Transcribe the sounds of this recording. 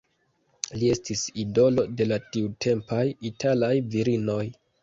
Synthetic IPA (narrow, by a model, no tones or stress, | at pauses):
lie̞stisido̞lo̞de̞latiutʰe̞mpajitʰalajviɾino̞j